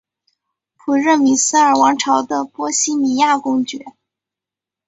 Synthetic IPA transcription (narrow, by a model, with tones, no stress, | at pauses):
pʰu˨˩ɻə˥˩mi˨˩sɹ̩˥ə˞˨˩wɑ˧˥ŋʈ͡ʂʰɑ˧˥ʊd̪ə˧pwɔ˥ɕi˥mi˨˩ja˥˩kʊ˥ŋt͡ɕɥɛ˧˥